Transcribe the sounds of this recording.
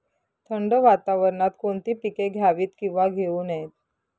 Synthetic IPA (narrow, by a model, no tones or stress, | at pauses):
t̪ʰəɳɖəʋat̪aʋəɾɳat̪koɳt̪iːpikeɡʱjaʋiːt̪kĩw̃ʋaɡʱeuːnet̪